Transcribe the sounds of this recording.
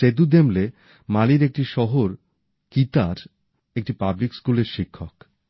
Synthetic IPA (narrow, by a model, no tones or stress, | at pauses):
ed̪ud̪emle | maliɾek̚ʈiʃɔɦoɾ | kit̪aɾ | ek̚ʈipablikskuleɾʃikʰːok